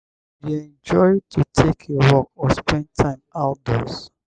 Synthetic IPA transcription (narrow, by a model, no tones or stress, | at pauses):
jiɛ̃nd͡ʒɔɪd̚tʰutʰekʰewɔk̚ɔspɛ̃nd̚tʰãɪ̃maʊt̚dɔs